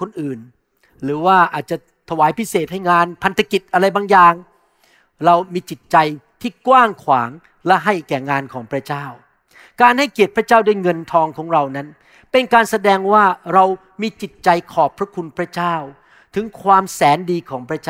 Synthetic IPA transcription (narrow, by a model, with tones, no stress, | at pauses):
kʰo˧nʔɯː˨˩n | ɾɯː˩˦waː˥˩ʔaː˨˩t̪̚t͡ɕa˨˩ | t̪ʰa˧waː˩˦jpʰi˦˥seː˨˩t̪̚ha˥˩jŋaː˧npʰa˧nt̪ʰa˧ki˨˩t̪̚ʔa˧ɾa˧jbaː˧ŋjaː˨˩ŋ | ɾa˧wmiː˧t͡ɕi˨˩t̪̚t͡ɕa˧jt̪ʰiː˥˩kwaː˥˩ŋkʰwaː˩˦ŋ | lɛ˦˥ɦa˥˩jkɛː˨˩ŋaː˧nkʰɔː˩˦ŋpʰɾa˦˥t͡ɕaː˥˩w | kaː˧nha˥˩jki˨˩ət̪̚pɾa˥t͡ɕaː˥˩wda˥˩jŋɤ˧nt̪ʰɔː˧ŋkʰɔː˩˦ŋɾa˧wna˦˥n | pe˧nkaː˧nsa˧dɛː˧ŋwaː˥˩ɾa˧w | miː˧t͡ɕi˨˩t̪̚t͡ɕa˧jkʰɔː˨˩pʰːɾa˦˥kʰu˧npʰɾa˦˥t͡ɕaː˥˩w | t̪ʰɯ˩˦ŋkʰwaː˧msɛː˩˦ndiː˧kʰɔː˩˦ŋpʰɾa˦˥t͡ɕaː˥